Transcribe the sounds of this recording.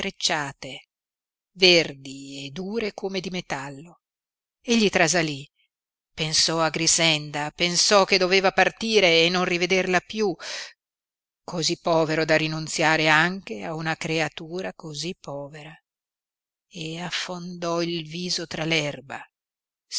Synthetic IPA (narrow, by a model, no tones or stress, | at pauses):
ɾet͡ʃːaːt̪e | verd̪ied̪uːɾekomed̪imet̪alːo | eʎːit̪ɾazali | pensɔaɡɾizɛnd̪apensɔk̟ːed̪oveːvapart̪iːɾeːnːonrived̪erlapju | kʰozipːɔːveɾod̪arinunt̪sjaːɾeaŋk̟eaunakɾeat̪uːɾakozipːɔːveɾa | eafːond̪ɔilviːzot̪ɾalɛrba